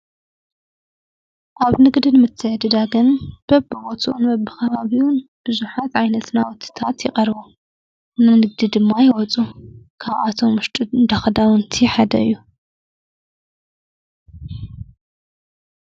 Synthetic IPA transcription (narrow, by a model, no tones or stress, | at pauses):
ʔaβnɨɡd̪inɨmɨt̪ʰːɨʕd̪ɨd̪aɡɐnb̥ɐbbɨwot͡sʼuʔunbɐbɨkʰɐβaβiwʊnb̥ɨzuħat̪ʕajnɐt̪nawɔt̪ʰːɨ̥t̪ʰat̪jɪkʼɐɾβu | nanɨɡ̚d̪id̪ɨmːajɪwɔt͡sʼukʰaβʔat̪ʰo̞mʊʃtʼd̪axd̪awʊnt̪ʰiħad̪ɐ̰ɨjːu